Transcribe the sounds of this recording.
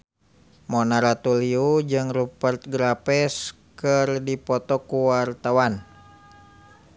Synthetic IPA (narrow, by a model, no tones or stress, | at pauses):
mɔnaɾat̪uliud͡ʒɨŋrupərt̪̚ɡɾapɛskɨrdipɔt̪ɔkuwart̪awan